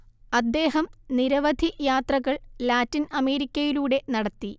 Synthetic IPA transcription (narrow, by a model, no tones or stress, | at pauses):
ɐd̪ːe̞ːɦɐmniɾɐʋɐd̪ʱijaːt̪rɐɣɐɭlaːtːinɐme̞ːɾikʲːɐjiluːɽe̞nɐɽɐt̪ːi